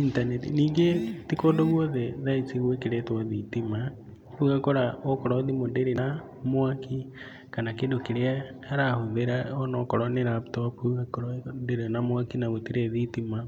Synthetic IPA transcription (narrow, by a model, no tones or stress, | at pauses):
intanetiniːŋɡetikodoɣwɔðɛðait͡siɣwekeɾetwaðitima | uɣakoɾaokɔɾɔðimondeɾena | mwaki | kanakendokeɾeaaɾahoðeɾaɔnɔkɔɾɔneɾaptɔpuɣakoɾɔdeɾenamwakinaɣotiɾeðitima